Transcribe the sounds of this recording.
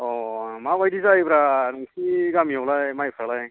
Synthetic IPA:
ɔmabajdisaipɾasiɡamiɔwlajmajpʰɾalaj

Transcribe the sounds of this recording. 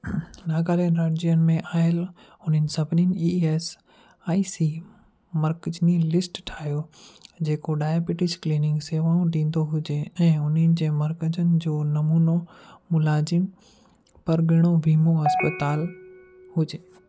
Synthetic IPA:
naːɡaːlenɾaːd͡ʑiənɪ̆mẽʔaːɪl | ɦʊn̤ənɪ̆sɐbʱɪninɪ̆ies | aːisi | mɐɾkəd͡ʑnilɪsʈʈʰaːɦijod͡ʑeːkoɖaːjaːbɪʈɪskliːnɪ̃ŋɡseːʋaːũɖĩːn̆d̪oɦʊd͡ʑeɛ̃ːʊnənɪ̆d͡ʑeːmɐɾkəd͡ʑənɪ̆d͡ʑoːnɐmuːnomʊlaːzɪm | pɐɾɡɪɽ̃oʋʱiːmoɦɐspət̪aːl | ɦʊd͡ʑeː

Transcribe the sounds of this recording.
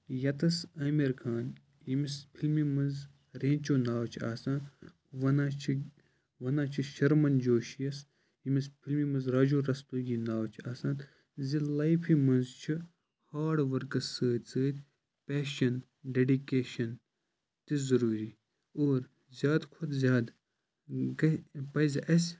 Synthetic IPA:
jɐt̪ɐsɐːmeɾkʰãːn | imispʰilmimɐ̃nz | ɾẽːnt͡ʃoːnaːwt͡ʃʰa̰ːsãːnd̪ | ʋɐnãːt͡ʃʰi | ʋɐnãːt͡ʃʰiʃɐɾmɐnd͡ʒoːʃijɐs | imispʰilmimɐnzɾaːd͡ʒoːɾɐst̪uːɡinaːwt͡ʃʰiaːsãːn | zilɐjpʰimɐnzt͡ʃʰi | haːɖʋɐɾkɐsːəːt̪ʲt͡səːt̪ʲ | pɛːʃɐn | ɖeɖikeːʃɐn | t̪izɐɾuːɾiː | oːɾ | zʲjaːd̪kʰʊd̪zʲjaːd̪ | ɡɐpɐjzɐʔɐsʲ

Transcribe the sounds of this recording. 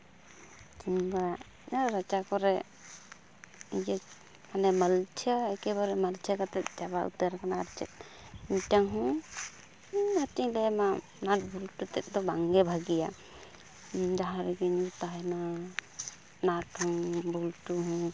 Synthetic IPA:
t̪iɲba | ɲaɾat͡ʃakɔɾɛ | id͡ʒɛ | manɛmalt͡ʃʰəɛkɛβaɾɛmalt͡ʃʰakat̪ɛt̪̚d͡ʒaβaʔṵt̪aɾkanaːɾt͡ʃɛt̪̚ | iɲtaŋɦɔ̃ | natiɲlɛma | naʈ̚bulʈut̪ɛt̪̚d̪ɔbaŋɡɛbʱaɡija | d͡ʒaɦãɾɛɡɛɲut̪aɦɛna | naʈhɔŋbulʈuɦɔ̃

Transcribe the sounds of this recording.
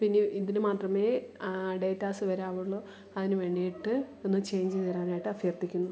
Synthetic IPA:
pinːeiðinɨmaːtrɐme̞ːɖe̞ːtːaːsɨʋɐɾaːʋuɭːoː | ɐðinɨʋeːɳːijiʈːɨenːɨt͡ɕe̞ːɲd͡ʑɨt̪iɾaːnaːjiʈːɨɐfjɐrt̪ikʲːunːu

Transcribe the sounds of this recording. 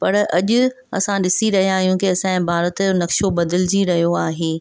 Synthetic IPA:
pɐɾɐʄʊ | ɐ̰sãɗɪsiɾɐɦijãːɦjũkiɐsãːbʱaːɾət̪nɐkʃobɐd̪ɪld͡ʑiɾɐɦijoaːɦeː

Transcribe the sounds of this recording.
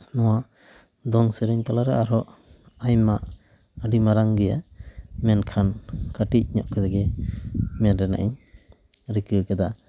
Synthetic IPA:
nɔwaʔ | d̪ɔŋsəɾɛɲt̪alaɾɛaɾɔʔ | ajmaʔ | əɖimaɾaŋɡɛja̰mɛnkʰankaʈic̚ˀɲɔ̰ʔkʰɛd̪ɛɡɛ | mɛɾɾɛna̰ʔiɲ | ɾikɯkɛd̪a

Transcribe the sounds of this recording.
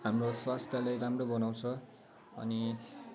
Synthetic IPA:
ɦamroswast̪jalajramrobʌnaw̃t͡sʰʌ | ʌ̰ni

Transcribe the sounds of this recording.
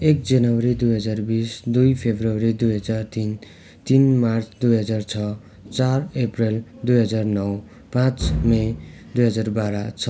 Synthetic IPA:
ek̚d͡zʌnʌwʌɾid̪ujɦʌd͡zarbisd̪ujpʰebrowɾid̪ujɦʌd͡zart̪in | t̪inmart͡sʰd̪ujɦʌd͡zart͡sʰʌ | t͡sarepreld̪ujɦʌd͡zarnʌw | pãt͡smed̪ujɦʌd͡zarbaɾat͡sʰʌ

